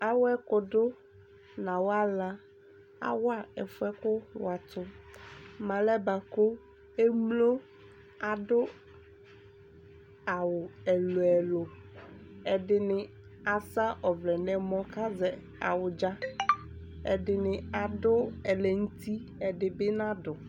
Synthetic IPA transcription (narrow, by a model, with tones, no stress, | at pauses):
a˦wɛ˦kʊ˨dʊ˦ | nã˨wa˦la˦ | a̰˦wa˦ɛ˨fʊ˦ɛ˦kʊ˦wa˨t̪ʊ˦ | mã˨lɛ˦ba˨ko˦ | e˦mlo˦ | a˨dʊ˦ | a˨wʊ˨ɛ˨lʊ˨ɛ˨lʊ˨ | ɛ˨dɪ˨nɪ˨ | a˨sa˦ʔɔ˨vlɛ˨nɛ̃˦mɔ̃˦ka˦zɛ˨ | a˨wʊ˨d͡ʒa˦ | ɛ˨dɪ˨nɪ˨a˨dʊ˦ɛ˨lɛ˨ŋ̩˦t̪ʰi˦ | ɛ˨dɪ˨bɪ˦nã˦dʊ˨